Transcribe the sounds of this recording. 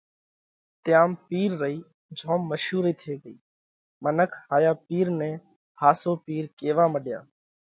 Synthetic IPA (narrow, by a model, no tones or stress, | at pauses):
t̪ɪjaːmpiːɾːəiː | d͡ʒʱoːmːəʃuːɾiːt̪ʰeːɡəḭː | mənəkʰhaːjaːpiːɾnɛ̃ː | haːsoːpiːɾkeːʋaːməɗja̰ː